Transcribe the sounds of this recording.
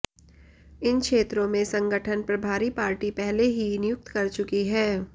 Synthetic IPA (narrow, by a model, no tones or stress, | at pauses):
ɪnkʃeːt̪ɾõmẽsɐ̃ŋɡəʈʰənpɾɐbʱaːɾipaːɾʈipɛɦleɦinɪjʊk̚t̪kɐɾt͡ʃʊkiɦɛː